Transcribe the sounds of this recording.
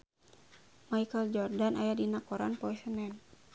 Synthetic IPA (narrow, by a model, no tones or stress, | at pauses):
majkəld͡ʒɔrdanʔajadinakɔɾa̰npɔisənɛn